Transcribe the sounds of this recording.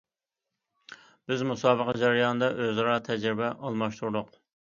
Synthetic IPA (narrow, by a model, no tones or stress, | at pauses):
b̥ɪzmusɑːbəqɑd͡ʒɛɾɨjɑnɨd̪ɑʔøzɑɾɑːt̪ʰɛd͡ʒɾɪbɛʔɑlˠmɑʃt̪uɾd̪ʊq